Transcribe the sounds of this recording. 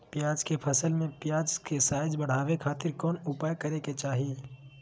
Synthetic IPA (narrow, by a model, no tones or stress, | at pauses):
pjaːd͡ʒkepʰəsəlmẽpjaːd͡ʒkesaːjɪd͡ʒbəɽ̤aːʋekʰaːt̪ɪɾkɔːnʊpaːjkɐɾeket͡ʃaːɦieː